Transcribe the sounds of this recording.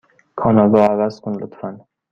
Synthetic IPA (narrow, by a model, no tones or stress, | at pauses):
kʰɒnɒd̪ɒːævæz̥kʰʊnlʊt̪ʰɾan